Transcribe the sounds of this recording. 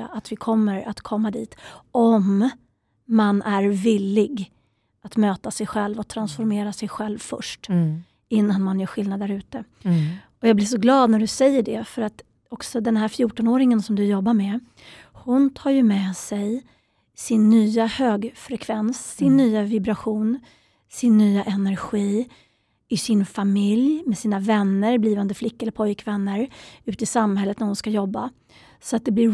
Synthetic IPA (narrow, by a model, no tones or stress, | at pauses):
aʔat̪vɪkʰɔmːəɾat̪kʰɔmːad̪iːt̪ɔmː | anʔæɾvɪlːɪɡ | at̪møːt̪asɛjɧɛlvɔt̪ʰɾansfɔɾmeːɾasɛjɧɛlvfœ̰ʂʈ | ɪnːanmanjœːɧɪlnad̪æɾʉ̟ːt̪ə | ɔjɑːɡblɪʂɔɡlɑːd̪næɖɵsɛjːəɖɛfœɾat̪ | ɔksɔd̪ɛnɦæɾfjuːʈɔnoːɾɪŋənsɔmd̪ɵjɔbːaɾmɛ | hʊnt̪ʰɑːɾjɵmɛsɛj | sɪnːyːahøːɡfɾɛkʰvɛnsːɪnːyːavɪbɾaɧuːn | sɪnːyːaʔɛnæɾɧiː | ɪsɪnfamɪljmɛsiːnavɛnːəɾbliːvand̪əflɪkːaɛlːəɾpʰɔjkvɛnːəɾʉ̟ːt̪ɪsamhɛlːət̪næɾhʊnskajɔbːa | sɔat̪̚d̪ɛblɪɾ